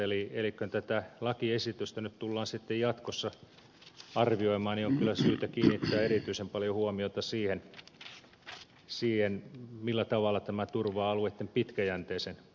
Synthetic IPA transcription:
elielikːønt̪æt̪ælɑkiesit̪yst̪ænyt̪t̪ulːɑːnsit̪ːejjɑt̪kosːɑ | ɑrʋioimɑːnnioŋkylːˑæsyːt̪ækiːnːit̪ːæːerit̪yisempɑljohuomiot̪ɑsiːhen | siːhenmilːæt̪ɑʋɑlːˑɑt̪æmæt̪urʋɑːɑluet̪ːempit̪kæjænt̪eːsen

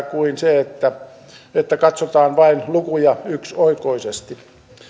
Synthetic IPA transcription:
kuinseet̪ːæ | et̪ːækɑt̪sot̪ɑːnʋɑinlukujɑyksoikoisest̪i

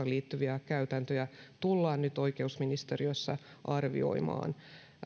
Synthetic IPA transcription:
ɑliːt̪ːyʋiækæyt̪ænt̪øjæt̪ulːɑːnnyt̪o̞ikeusminist̪eriøsːæ̰ʔɑrʋḭo̞̰imɑ̰ːn

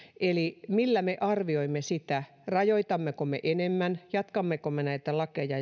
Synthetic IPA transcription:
elimilːæmeʔɑrʋioimːesit̪æ | rɑjoit̪ɑmːekomḛʔenemːænjɑt̪kɑmːekomːenæit̪ælɑkejɑ

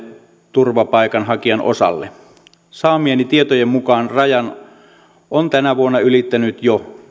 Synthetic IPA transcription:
t̪urʋɑpɑˑikɑnhɑkiɑnʔo̰sɑ̰lːḛ | sɑːmienit̪iet̪ojemmukɑːnrɑjɑn | ʔont̪ænæʋuonːɑylit̪ːænyt̪jo

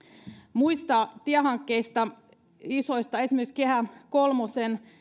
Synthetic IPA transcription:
muist̪ɑt̪iæɦɑŋkːeist̪ɑ | isoist̪ɑesimekskehækolmosen

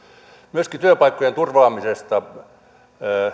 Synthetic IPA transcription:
myøskit̪yøpɑikːojent̪urʋɑːmisest̪ɑ

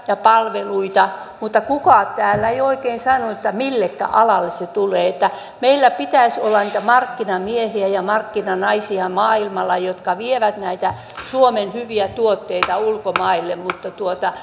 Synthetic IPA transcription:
jɑpɑlʋeluit̪ɑ | mut̪ːɑkukɑˑt̪æːlːæeioikeːnsɑnuet̪ːæmilːekːæ̰ʔɑlɑlːesset̪uleːet̪ːæ | meilːæpit̪æisolːɑniːt̪æmɑrkːinɑmiehiæjɑmɑrkːinɑnɑisiɑmɑːilmɑlːɑjot̪kɑʋieʋæt̪næit̪æ | suomenhyʋiæt̪uot̪ːeit̪ɑulkomɑilːemmut̪ːɑt̪uot̪ɑ

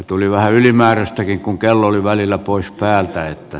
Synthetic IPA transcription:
t̪uliʋæhæylimæːræst̪ækiŋkuŋkelːooliʋælilːæpoˑispæːlt̪æet̪ːæ

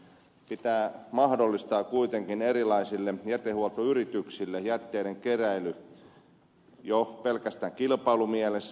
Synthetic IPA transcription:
pit̪æːmɑhdolːist̪ɑːkkuit̪eŋkinerilɑisilːejæt̪ehuolt̪oyrit̪yksilːejæt̪ːeiɾeŋkeræily | jopelkæst̪æːŋkilpɑilumiæles

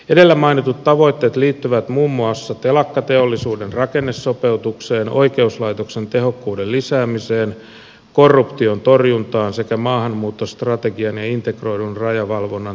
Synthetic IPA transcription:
ede̞lːæmɑinit̪ut̪tːɑʋo̞jt̪ːeːt̪liːt̪ːyʋæt̪muːmːuɑsːɑt̪elɑkːɑt̪e̞olːisuːdenrɑkenːesːope̞ut̪ukseːnʔo̞̰ikeuslɑjt̪oksent̪e̞ɦo̞kːuːdellisæːmiseːn | ko̞rːupt̪iont̪o̞rjunt̪ɑːnsekæmɑːhɑmːuːt̪ːost̪rɑt̪eɡiɑnjɑint̪e̞kro̞idunrɑjɑʋɑlʋonːɑ

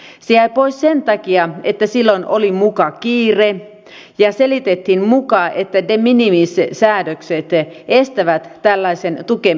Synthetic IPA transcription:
sejæjpoissent̪ɑkiɑet̪ːæsilːonʔolimukɑkiːre | jɑselit̪et̪hinmukɑːʔet̪ːædeminimissæːdøkset̪est̪æʋæt̪ːælːɑisent̪uke

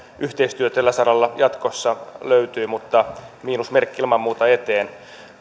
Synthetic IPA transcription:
yht̪eist̪yøt̪elːæsɑɾɑlːɑjɑt̪kosːɑløyt̪yːmut̪ːɑmiːnusmerkːiilmɑmːuːt̪ɑet̪eːn

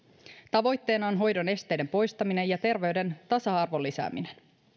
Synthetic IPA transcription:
t̪ɑʋo̞jt̪ːe̞ːnɑonɦo̞jdo̞ne̞st̪e̞jde̞mpo̞jst̪ɑmine̞jɑt̪e̞rʋe̞ɥde̞nt̪ɑsɑɑrʋo̞lːisæ̰ːminen

